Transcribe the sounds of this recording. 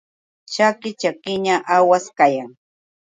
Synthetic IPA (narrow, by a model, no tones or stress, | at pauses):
t͡ʃakɪt͡ʃakɪɲaʔawaskajaŋ